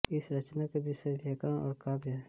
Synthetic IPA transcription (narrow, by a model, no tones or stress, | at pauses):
ɪsɾɐt͡ʃnakebʱisəd̪ʱjəkãɔ̰ːɾkaːbjɦɛː